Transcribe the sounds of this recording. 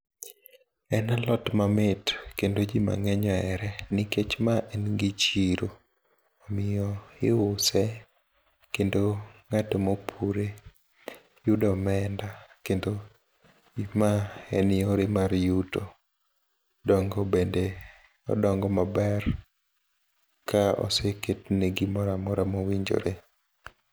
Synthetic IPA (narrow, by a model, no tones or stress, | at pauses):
ɛnalɔtmamɪtkendod͡ʒima̰ŋɛɲɔɛɾɛnɪket͡ʃmaʔɛnɡɪt͡ʃiɾo | ɔmɪjɔɪʊsɛ | kendoŋatemopʰuɾe | judɔmɛndakendo | imaɛnɪjɔɾemaɾjuto | dɔŋɡɔbende | ɔ̰dɔŋɡɔmabɛr | kʰaɔ̰seketneɡimɔɾamɔɾamowiɲd͡ʒo̰ɾe